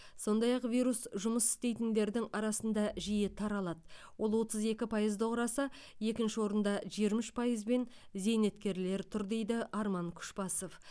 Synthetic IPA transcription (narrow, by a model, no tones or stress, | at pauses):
so̞nd̪ɑjɑqvijɾusʒʊməsɪ̥st̪e̞jt̪ɪnd̪e̞ɾd̪ɪŋɑɾɑsənd̪ɑʒijɪt̪ʰɑɾɑlˠɑd̪ə | wo̞lˠwo̞t̪əze̞kʲɪpʰɑjəzd̪oqɾɑsɑ | je̞kʲɪnʃɪwo̞ɾənd̪ɑʒieɾmɪʃpʰɑjəzbe̞nze̞jne̞t̪kʲe̞ɾle̞ɾt̪ʰʊɾd̪e̞jd̪ɪʔɑɾmɑŋkʲʰʏ̥ʃpɑso̞f